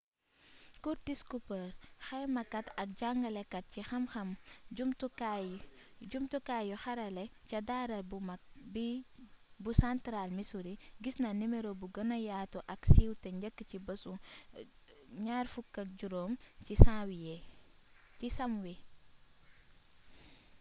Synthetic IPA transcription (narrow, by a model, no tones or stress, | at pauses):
kuɾdiskupəɾxɛmɐkɐtɐk̚ɟaŋɡɐlɛkɐt̚cixɐmxɐmɟumtuka | ɟumtukaːjuxɐɾɐlɛcɐdaːɾɐbb | busantɾalmisuɾiɡisnɐnimeɾobuɡɐnɐjaːtuʔɐksiːwtɛɲɟɐkːəcibəsu | ɲaːrfukːɐk̚ɟuɾoːmcisãːwije | cisɐmwi